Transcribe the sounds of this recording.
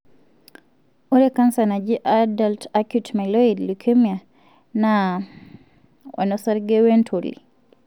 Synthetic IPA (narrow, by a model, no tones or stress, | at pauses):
ʔɔɾɛkansanad͡ʒiʔadaltakjutmɛlɔidlukʰemia | na | wa̰nɔsaɾɡɛwɛntʰolḭ